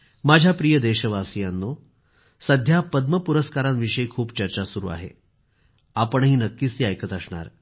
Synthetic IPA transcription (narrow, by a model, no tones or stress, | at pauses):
mad͡ʑʱjapɾijəd̪eɕəʋasijanːo | səd̪ʱjapəd̪məpuɾəskaɾanʋiʂəjkʰuːpt͡ɕəɾt͡ɕasuɾṵːa̰ɦḛ | apəɳɦiːnəkːiːsiːajkʰət̪əsɳa̰ɾ